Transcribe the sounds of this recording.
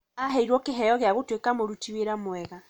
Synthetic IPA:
aɦɛiɾwɔkeɦɛjɔɣjaɣotwekamoɾutiweɾamwɛɣa

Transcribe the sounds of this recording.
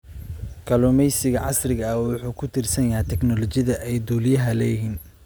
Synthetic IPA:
kʰɐlʊmɛjsɪɣɐʕɑsrɪɣɐɐwʊħuːkʰʊt̪ʰɪrsɐnjɐɦɛt̪ʰɛknɔlɔt͡ʃɪðɐʔɛjd̪uːlɪjɐɦɐlɛːjɦiːn

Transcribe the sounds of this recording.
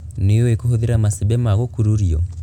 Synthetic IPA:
nejɔwekuhoðiɾamasiβɛmaɣokuɾuɾiɔ

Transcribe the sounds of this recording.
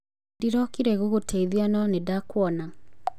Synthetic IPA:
diɾɔkiɾɛɣoɣotʰeiðianɔnedakwɔna

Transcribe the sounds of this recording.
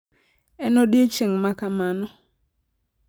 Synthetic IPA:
ɛnɔɗiet͡ʃeŋmakamanɔ

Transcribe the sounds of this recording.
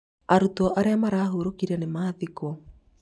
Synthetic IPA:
aɾutɔʔaɾeamaɾaːɦoɾokiɾɛnemaðiko

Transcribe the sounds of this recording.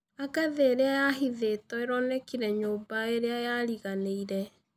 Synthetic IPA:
aɣaðeːɾeajaɦiðetɔeɾɔnɛkiɾɛɲoːbaeɾeajaɾiɣaneiɾɛ

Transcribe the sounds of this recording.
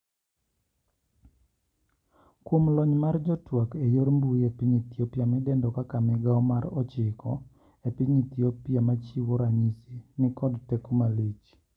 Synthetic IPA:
kwomlɔɲmard͡ʒɔtwakejoɾmbuepiɲit̪jopjamɛdɛndɔkakamɛɡaɔmaɾɔt͡ʃɪkʰɔ̰ | epiɲit̪iopjamat͡ʃiwoɾaɲisinɪkɔdtɛkɔmalit͡ʃ

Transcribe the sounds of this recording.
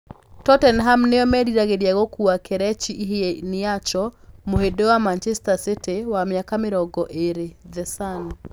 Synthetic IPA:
tɔtɛnɦamneɔmɛdiɾaɣeɾjaɣɔkuakɛɾɛt͡ʃiʔiɦeenijat͡ʃɔmohedewamant͡ʃɛstasetewamjakameɾɔɡɔʔeɾeðɛsan

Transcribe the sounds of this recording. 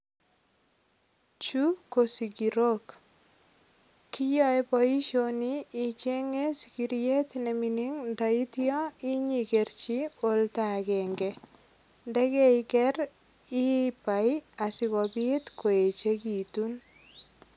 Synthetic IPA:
t͡ʃukosikiɾok | kijɔjpɔiʃoniːt͡ʃeŋesi̥kiɾjetneminiŋntaitjɔiɲikert͡ʃioltakɛŋɡɛ | ndɛkɛikɛɾ | ipajasikɔbitkoet͡ʃekitun

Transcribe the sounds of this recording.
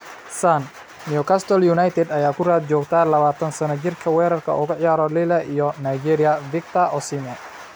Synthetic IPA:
san | nijʊkʰast̪ʰɔljunɐjt̪ʰɛd̪ɐjaːkʰʊraːd̪̚t͡ʃɔːɡt̪ʰalɐβaːt̪ʰɐnsɐnɐt͡ʃɪrkʰɐwɛːɾɐrkʰɐ̰ʔʊɣʊʕjaːɾɔlɪlɐʔiːjɔnajd͡ʒɛɾɪjɐvɪk̚t̪ʰɐɔsimɐ

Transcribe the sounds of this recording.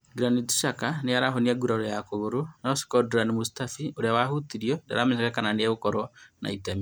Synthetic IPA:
ɡuɾanitu̥ʃakanejaɾaɦoniaɡuɾaɾojakoɣoɾonaosi̥kɔduɾanimusi̥tafioɾeawaɦutiɾiɔda̰ɾameɲakakananeaβokɔɾɔna̰itami

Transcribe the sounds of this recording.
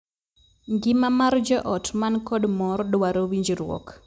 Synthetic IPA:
ŋɡɪmamard͡ʒɛʔɔtmankɔɗmɔrɗwaɾowiɲd͡ʒiɾwɔ̰k

